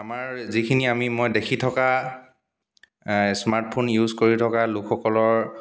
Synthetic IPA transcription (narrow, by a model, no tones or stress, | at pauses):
amaɹzikʰiniamimojdekʰitʰɔka | smaɹt̚pʰonjuzkoɹitʰɔkalʊkʰxɔkɔlɔɹ